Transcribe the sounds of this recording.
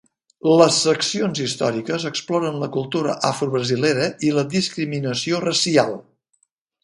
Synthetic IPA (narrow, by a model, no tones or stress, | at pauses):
ləsːəksionzist̪ɔ̰ɾikəzəksplɔɾənləkulˠt̪uɾə̰ʔafɾuβɾəzileɾəiləd̪iskɾiminəsiorəsialˠ